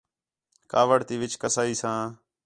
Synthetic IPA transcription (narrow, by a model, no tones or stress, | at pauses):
kaːʋəɽt̪iːʋɪt͡ʃkəsaːiːsãː